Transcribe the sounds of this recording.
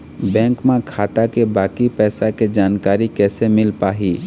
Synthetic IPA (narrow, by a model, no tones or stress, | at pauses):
bɛ̃ːŋkmẽkʰaːt̪akebaːkipɛːsaked͡ʒaːnkaːɾikɛːsemɪlpaːɦiː